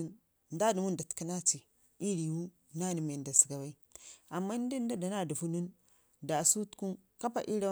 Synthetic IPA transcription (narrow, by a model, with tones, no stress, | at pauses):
n | n˦da˦di˨mu˦nda˨tki˦na˦t͡si˨ | i˦ɾi˨wu˦ | na˦ni˨me˨n˨da˨si̥˨ɡa˨wa˦i˦a˨mːa˦n˦di˦n˦da˦da˨na˦˨du˨vu˦nu˦n | da˨su˦tku˦n | ka˦pa˨ʔi˦ɾa˦